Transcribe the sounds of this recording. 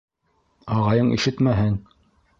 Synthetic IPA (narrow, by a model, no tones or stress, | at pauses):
ɑʁɑjɤɴʔḭʃɘt̪mæɦɘn